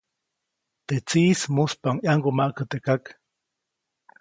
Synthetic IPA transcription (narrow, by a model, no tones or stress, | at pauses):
t̪et͡siːsmuspaŋjaŋɡomaʔkət̪ekak